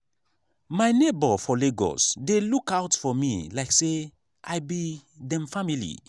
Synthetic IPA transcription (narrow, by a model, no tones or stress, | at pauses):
maɪnebɔfɔleɡɔ̰sdelukaʊtfɔmḭlaɪkse | ʔajbidɛ̃mfamilḭ